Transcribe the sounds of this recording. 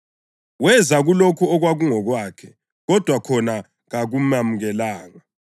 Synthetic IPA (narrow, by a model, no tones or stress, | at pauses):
wɛzaɣulokʰuɔɣwaɣuŋɔɣwaːkʰɛ | ɣɔd̥ʱwakʰɔna | ɣaɣumamuɣɛlaːŋa